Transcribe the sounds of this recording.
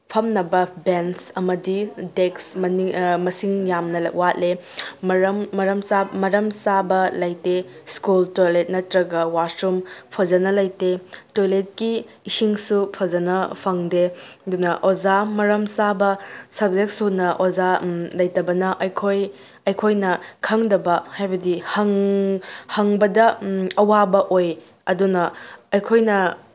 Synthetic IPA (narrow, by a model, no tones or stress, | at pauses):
pʰɐmnɐbɐbensɐmɐdideksmɐnimɐsiŋjamnɐlɐ̰kwat̚lemɾmmɐɾɐmsamɐɾɐmsabɐlɐjteskultojlet̚nɐtɾɐɡɐwasɾumpʰod͡ʒɐnɐlɐjtetojlet̚kiː | siŋsupʰɐd͡ʒɐnɐpʰɐŋdedunɐʔod͡ʒamɐɾɐmsabɐsɐb̚zek̚sunɐʔozalɐjtɐbɐnɐʔɐjkʰoj | ɐjkʰojnɐkʰɐŋdɐbɐhajbɐdihɐŋ | hɐŋbɐdɐɐwabɐʔoj | ɐdunɐːjkʰojnɐ